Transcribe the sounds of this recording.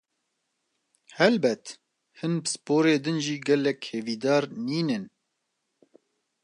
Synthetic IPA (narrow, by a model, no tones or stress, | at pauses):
hɛlbɛt̪ | hɨnbɨsɨ̥poːɾeːd̪ɨnʒiːɡɛlːɛkheːviːd̪ɑːɾniːnɨn